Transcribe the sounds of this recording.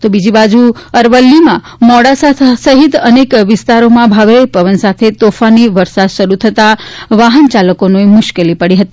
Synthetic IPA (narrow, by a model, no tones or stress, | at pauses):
t̪obid͡ʒibad͡ʒuəɾʋəlːimã | mɔɽasat̪ʰsəɦit̪ənekʋɪst̪aɾomãbʱaʋɾəjpəʋənsat̪ʰet̪ofaniʋəɾsad̪ʃəɾut̪ʰət̪aʋaɦənt͡ʃaləkonoemʊʃkelipəɽiɦət̪i